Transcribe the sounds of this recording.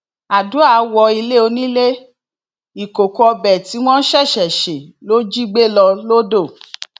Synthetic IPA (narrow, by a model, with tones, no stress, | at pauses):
a˨du˨˦a˧wɔ˧i˧le˦o˧nĩ˦le˦ | i˨ko˨kɔ˦˧bɛ˨ti˨˦w̃ɔ̃˦ʃɛ˦˨ʃɛ˨ʃe˨lo˦d͡ʒi˦ɡ͡be˦lɔ˧lo˦do˦˨